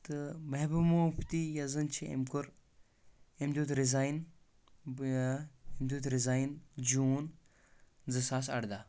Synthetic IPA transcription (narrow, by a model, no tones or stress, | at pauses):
t̪ɨmɐɦbɨmopʰt̪ijɐzɨnt͡ʃʰiḛmkuɾ | emd̪ud̪ɾizaːjn | emd̪ud̪ɾizaːjnd͡ʒuːn | zɨsaːsɐ̰ɽd̪a